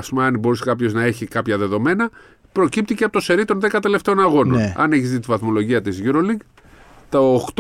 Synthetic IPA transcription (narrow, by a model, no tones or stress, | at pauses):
ɐspumɐɐnbo̞ɾisekɐpço̞znɐe̞çikɐpçɐðe̞ðo̞me̞nɐ | pɾo̞cip̚t̪iceɐpo̞t̪ose̞ɾit̪o̞nðekɐt̪e̞le̞ft̪e̞o̞nɐɣo̞no̰nɐ̰neçizðit̪ivɐθmo̞lo̞ʝiɐt̪izʝuɾo̞liɡ | t̪oːkt̪